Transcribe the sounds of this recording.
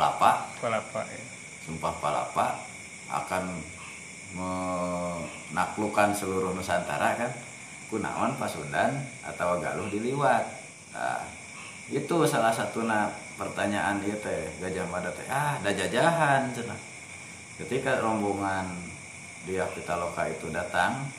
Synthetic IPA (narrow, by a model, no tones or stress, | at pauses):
la̰palapa | sumpahpala̰pa | a̰kan | mə | naklukansəluɾʊhnusant̪a̰ɾakan | kuna̰wanpasudan | a̰t̪awaɡa̰lʊhdiliwat̪̚ | a̰ | it̪usalahsat̪una | pərt̪aɲaʔaniat̪ɛɡad͡ʒahmadat̪ɛ̰ahdad͡ʒad͡ʒaɦansəna̰ | kət̪ikaɾɔmbuŋan | diapit̪alokait̪udat̪aŋ